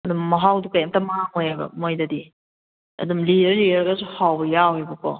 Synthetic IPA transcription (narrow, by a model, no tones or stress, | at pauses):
ɐdumːɐɦawdukajamtɐmaɦaŋojabɐ̰mojdɐdi | ɐ̰dumliɾliɾɡasuhawbɐjawejbɐkʰɔ